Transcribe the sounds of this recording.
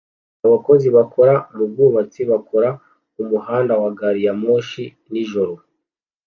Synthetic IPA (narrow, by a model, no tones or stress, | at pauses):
aβako̞ziβako̞ɾaɾubɡuːβat͡siβakʰo̞ɾa | umuhaːndawaɡaɾijamoːʃi | niʒo̞ɾo̞